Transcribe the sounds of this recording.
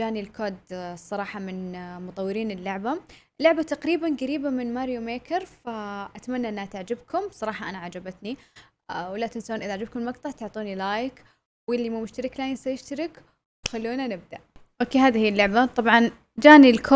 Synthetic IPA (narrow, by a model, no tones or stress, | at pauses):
d͡ʒaːnilkʰoːd̪sˤːɑɾˤɑːħɑmɪnmʊt̪ˤɑwːɪɾiːnɪlːʊʕbaʔɪlːʊʕbat̪aqɾiːbanɡaɾiːbamɪnmaɾjomeːkɪɾfaʔat̪amanːaʔɪnːhat̪aʕd͡ʒɪbkʰʊmsˤɑɾˤɑːħɑʔanaʕad͡ʒabat̪ni | wɪlːaʔt̪ɪnsauːnʔɪðaʕad͡ʒɪb̚kʊmmɑɡt̪ˤɑʕt̪ʊʕt̪ˤuːnilaːjɪk | wɪlːimamʊʃt̪aɾɪklaːjɪnsajɪʃt̪aɾɪk | wwxalːuːnanɪb̚d̪aʔʔoːkeːɦaːðihiːɪlːʊʕbat̪ˤɑbʕɑn | d͡ʒaːnilkʰoː